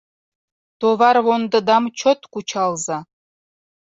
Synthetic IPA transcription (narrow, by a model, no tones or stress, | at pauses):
t̪oβɑɾwond̪ɤ̆d̪ɑmt͡ɕʰot̪kut͡ɕʰɑlˠzɑ